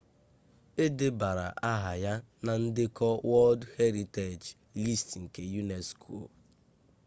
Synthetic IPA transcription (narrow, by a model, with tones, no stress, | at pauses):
e˦dɪ˦ba˨ɾa˨ʔa˦ɦa˨ja˦na˨n̩˦dɪ˦kɔ˦wɔ˦ldhe˦ɾi˨te˨d͡ʒ | li˦stŋ̩˨ke˨ju˦ne˨skʰo˨